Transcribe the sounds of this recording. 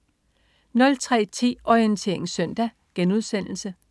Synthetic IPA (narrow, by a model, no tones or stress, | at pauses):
nɒ̽lt͡sʰʁɛ̰ːt͡sʰḭːɒiənt͡sʰe̝̰ɐe̝ŋsœn̰d̥æ | ɡ̥enuð̞ˠsen̰l̩sə